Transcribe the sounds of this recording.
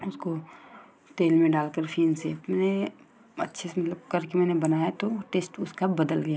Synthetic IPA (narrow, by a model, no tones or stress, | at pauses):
ʊsko | ʈeːlmẽɖaːlkəɾfʰiːnsemɛːne | ɐ̰tːʃʰesemɐt̪ləb̚kɐɾkemɛ̃ːnebɐnaːjat̪oʈeːsʈʊskabɐd̪əlɡɐjaː